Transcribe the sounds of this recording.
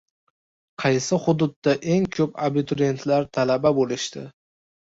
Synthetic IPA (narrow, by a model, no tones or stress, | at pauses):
qʰɑjsɪχʊd̪ʊd̪ːaʔe̞ŋkʰɵpabɪt̪ʰʊɾie̞nt̪ʰlaɾt̪ʰalababolɪʃt̪ɪ̰